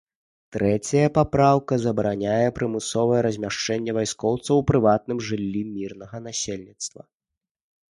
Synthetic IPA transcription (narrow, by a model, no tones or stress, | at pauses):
t̪ɾɛt͡sʲɐjɐpapɾawkɐzɐbɾanʲajɛpɾɨmɨsɔvɐjɛɾɐzʲmʲaʂt͡ʂɛnʲːɛvajskɔwt̪sɐwpɾɨvat̪̚nɨmʐɨlʲːimʲirnɐɣɐnasʲelʲnʲit̪st̪vɐ̰